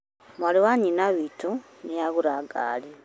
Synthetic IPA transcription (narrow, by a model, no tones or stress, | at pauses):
mwaliwaɲinaβito | nijaɣuɾaɡa̰ːli